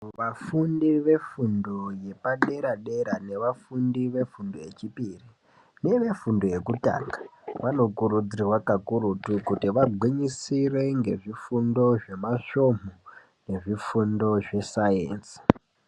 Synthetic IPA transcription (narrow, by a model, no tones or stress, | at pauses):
ʋafundiʋe̞fundo̞je̞paɗe̞ɾaɗe̞ɾane̞ʋafundiʋe̞fundo̞je̞t͡ʃipiːri | ne̞ʋe̞fundo̞je̞kuta̰ːŋɡaʋano̞kuɾud͡ziirwakakuɾutukutiʋaɡʱwiɲisire̞ŋɡe̞ʐifundo̞ʐe̞maʃo̞mo | ne̞ʐifundo̞ʐe̞sajḛːnsi̥